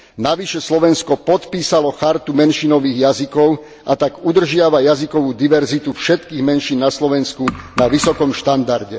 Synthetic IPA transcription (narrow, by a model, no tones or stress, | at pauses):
naʋiʃɛslɔʋɛnskɔpɔt̪piːsalɔxaɾt̪umɛnʃinɔʋiːɣjazikɔʊ | ʔat̪aɡud̪r̩ʒɪaʋajazikɔʋuːd̪iʋɛɾzit̪ufʃɛt̪kiːɣmɛnʃiːnːaslɔʋɛnskunaʋisɔkɔmʃt̪and̪aɾɟɛ